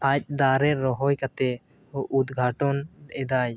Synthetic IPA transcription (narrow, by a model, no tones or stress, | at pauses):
ac̚d̪aɾɛɾɔɦɔjkat̪ɛ | ʔud̪ɡʱaʈɔnɛd̪aj